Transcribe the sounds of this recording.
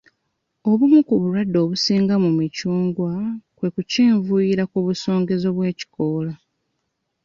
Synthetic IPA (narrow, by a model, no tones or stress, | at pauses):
o̞βumukuβuɾwadːo̞ːβusiːŋɡamumicuːŋɡwakwe̞kuceːɱvuiɾakuβuso̞ːŋɡe̞zo̞βwe̞ːci̥koːla